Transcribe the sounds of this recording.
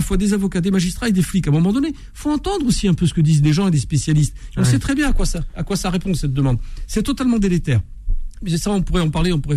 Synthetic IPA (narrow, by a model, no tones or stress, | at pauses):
afwad̪ezavɔkad̪emaʒist̪χaed̪eflikãmɔmɑ̃d̪ɔne | fõɑ̃t̪ɑ̃d̪ʁosiɛ̃pøsə̥kəd̪izleʒɑ̃ed̪espesjalist̪eɔ̃sɛt̪χɛbjɛ̃akwasaːkwasaʁepɔ̃dsɛt̪̚d̪əmɑ̃d̪sɛt̪ɔt̪almɑ̃d̪elet̪ɛːʁ | ʒesaɔ̃puʁɛɑ̃paʁleɔ̃puʁɛ